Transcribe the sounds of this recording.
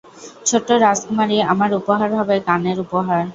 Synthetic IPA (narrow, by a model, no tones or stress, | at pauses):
t͡ɕʰoʈːoɾaskumaɾiamaɾupoɦaɾbʱabekaneɾupoɦaɾ